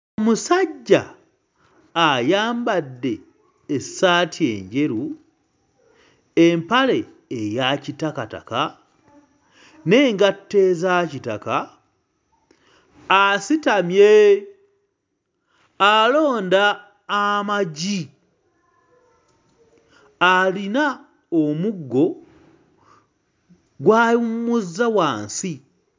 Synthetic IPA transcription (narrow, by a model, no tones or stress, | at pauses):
omusaɟːa̰ | jaːmbadːe̞ː | saːtʰie̞̰ɲɟe̞ɾu | empale̞ː | jacitakata̰ka | ne̞ːŋɡatːe̞ːzacitaka | asitamje | alo̞ːndaː | maɟi | alina | omuɡːo̞ | ɡwaːjumuzːawaːnsi